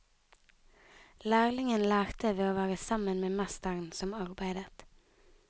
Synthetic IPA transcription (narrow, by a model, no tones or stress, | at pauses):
læːʁlɪŋənlæːʁt̪əʋeːoːʋæːʁəsɑmənmeːmɛst̪əʁnsɔmɑʁbæɪd̪ət̪